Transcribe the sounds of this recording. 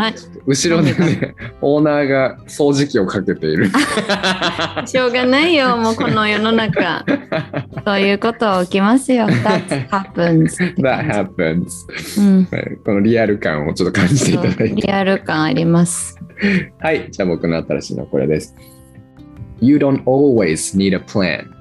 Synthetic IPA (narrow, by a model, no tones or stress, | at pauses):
haot̪ːoɯ̟ɕiɾo̞d̪eneo̞ːnaːɡa | so̞ːʑikʲio̞kake̞t̪e̞iɾɯ̟ | ɕo̞ːɡanaijo̞mo̞ko̞no̞jono̞naka̰ | so̞ːjɯ̟ːko̞t̪o̞ːkʲimasɨjo̞d̪hapɯ̃nzðat̪hapə̃nz̥̃ | a̰ko̞no̞ɾʲiaɾɯ̟kã̰ɰ̃o̞̰t͡ɕot̪ːokʰãɲd͡ʑit̪e̞it̪ad̪ait̪ɾʲieaɾɯ̟kãɰ̃a̰ɾʲimasɨ̥haid͡ʑaːbo̞kɯ̟no̞at̪aɾa̰ɕḭːno̰ko̞ɾḛd̪e̞sɨ̥ | jɨːd̪õnt̪olwez̥niːɾəplæ̰̃n